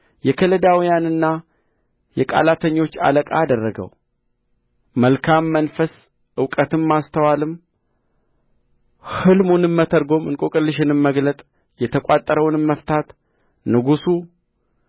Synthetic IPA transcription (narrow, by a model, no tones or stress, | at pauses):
jɛkʰələd̪awijanɨnːa | jɛkʼa̰lat̪ʰəɲːo̞t͡ʃːa̰ləkʼa̰ad̪ərːəɡə̰w | məlkʰamːənfəs | ʔɨwkʼət̪ɨmːast̪ʰəwalɨm | hɨlmunɨmːət̪ʰəɾɡo̞mɨnkʼokʼɨlːɨʃɪnɨmːəɡlət̪ʼ | jɛt̪ʰəkʼat̪ʼːəɾəwnɨmːəft̪ʰat̪ | nɨɡusu